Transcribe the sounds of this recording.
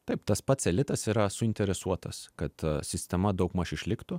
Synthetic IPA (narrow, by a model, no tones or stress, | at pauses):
t̪ɐɪpt̪ɐspɐt̪sʲɛlʲɪt̪ɐsiːɾɐsʊɪnʲt̪ʲɛɾʲɛsuɔt̪ɐskɐt̪sʲɪsʲt̪ʲɛmɐd̪ɐʊkmɐʃɪʃʲlʲɪkt̪ʊ